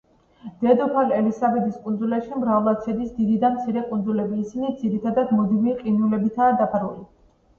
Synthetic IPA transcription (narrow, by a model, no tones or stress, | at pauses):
d̪̥ɛd̪ɔpʰalɛlisabɛd̪iskʼund̪zulaʃimɾavlˠat̪sʰɛd̪isd̪id̪id̪amt̪sʰiɾɛkʼund̪zulɛbiːsinid̪ziɾit̪ʰad̪ad̪mɔd̪imiqʼinulɛbit̪ʰaːd̪apʰaɾuli